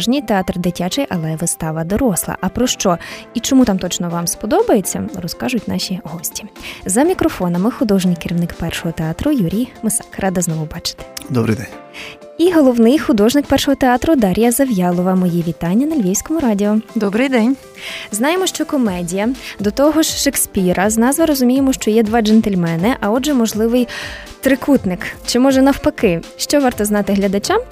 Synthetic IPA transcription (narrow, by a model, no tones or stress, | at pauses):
ʒnʲijt̪eɑt̪rd̪ɪtʲat͡ʃɛjʔɐlˠɛʋɪst̪ɑʋɐd̪ɔɾɔslˠɐ̰ʔɐpɾɔʃt͡ʃɔit͡ʃɔmut̪ɑmt̪ɔt͡ʃnɔʋɑmspɔd̪ɔbɐjet͡sʲːɐ̰rɔskɑʒʊtʲnɑʃʲiɦɔsʲtʲi̥zɐmʲikɾɔfɔnɐmɪxʊd̪ɔʒnɪjkeɾʲiwnɪkpɛrʃɔɦɔt̪eɑt̪ɾʊjuɾʲijmɪsɑkrʔɑd̪ɐznɔʋʊbɑt͡ʃɪ̥t̪ɪ̥d̪ɔbɾɨ̰jd̪ɛnʲ | iɦɔlˠɔwnɪjxʊd̪ɔʒnɪk̚pɛrʃɔɦɔt̪eɑt̪ɾʊd̪ɑɾʲijɐzɐʋjɑlˠɔʋɐmɔjiʋʲit̪ɑnʲːɐnɐlʲʋʲiwsʲkɔmʊɾɑdʲiɔd̪ɔbɾɪjd̪ɛnʲ | znɑjemɔʃt͡ʃɔkɔmɛdʲijɐd̪ɔt̪ɔɦɔʒʃeksʲpʲiɾɐznɑzʋɐɾɔzʊmʲijemɔʃt͡ʃɔjɛd̪ʋɑd͡ʒɛnt̪elʲmɛnɪʔɐɔʒɛmɔʒlˠɪʋɪj | t̪ɾɪkut̪nɪkt͡ʃɪmɔʒɛnɐwpɐkɪʃt͡ʃɔʋɑrt̪ɔznɑt̪ɪɦlʲɐd̪ɐt͡ʃam